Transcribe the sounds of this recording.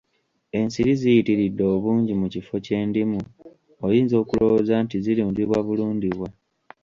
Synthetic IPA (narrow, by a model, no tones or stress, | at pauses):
e̞nsiɾizijitiɾidːo̞ːβuːɲɟimucifo̞ce̞ːndimu | ojiːnzo̞ːkulo̞wozaːntizilimundiβwaβuluːndiβwa